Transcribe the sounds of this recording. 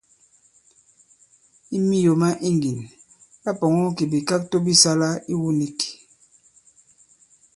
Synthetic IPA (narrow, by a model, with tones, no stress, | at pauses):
i˦mi˦jo˨ma˦ʔi˦ŋɡi˨n | ja˦pɔ˨ŋɔ˦ki˨bi˨ka˦k̚to˦bi˦sa˦la˦i˦wu˦ni˦ki̥˨